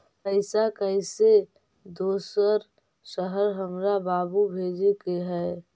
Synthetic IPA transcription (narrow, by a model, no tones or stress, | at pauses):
pəɪsakəɪse | d̪oːsəɾ | ʃəɦəɾɦəmɾabaːbubʱeːd͡ʒekeɦɛː